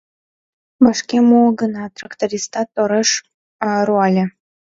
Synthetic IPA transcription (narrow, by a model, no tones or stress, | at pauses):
bɑʃkʲemuɡənɑt̪rɑkt̪oɾʲist̪ɑt̪oɾəʃ | ɾuɑlʲe